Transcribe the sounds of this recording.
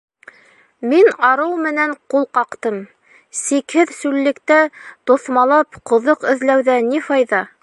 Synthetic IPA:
minɑɾɤwmɘ̆næɴqulˠqɑqt̪ɤm | sikhɘðsʉlːɘ̆kt̪æt̪ŏθmɑlˠɑpqŏðoqɘ̆ðlæwðænifɑjðɑ

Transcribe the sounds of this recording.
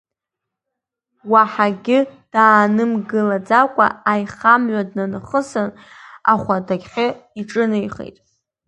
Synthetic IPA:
waħaɡʲɪd̥aːnɨmɡɨlad͡zakʷʼa̰ːjχamɥʷadnanɨχəsɨn | a̰χʷadaɡʲχʲɪiʈ͡ʂʼɨnɨjχḛjtʼ

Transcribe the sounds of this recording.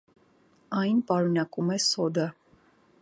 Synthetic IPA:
ɑjnpɑɾunɑkumɛsɔd̪ə

